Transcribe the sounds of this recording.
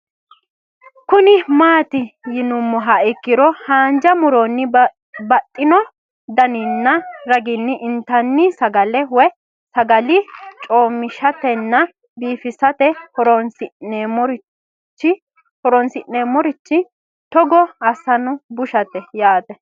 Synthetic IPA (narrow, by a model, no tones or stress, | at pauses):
kʊnɪmaːt̪ɪjɪnʊmːɔɦaɪkːɪɾɔhaːnd͡ʒɐmʊɾɔnːɪ | bɐt̪ʼːɪnɔ | d̪ɐnɪnːɐɾɐɡɪnːɪʔɪnt̪ɐnːɪsɐɡɐlɛwɔj | sɐɡɐlɪt͡ʃʼoːmːɪʃɐt̪ɛnːɐ | biːfɪsɐt̪ɛhɔɾɔnsɪnemɔɾ | t͡ʃːɪ | hɔɾɔnsɪnːeːmɔɾɪt͡ʃːɪ | t̪ɔɡɔɐsɐnʊbʊʃɐt̪ɛjaːt̪ɛ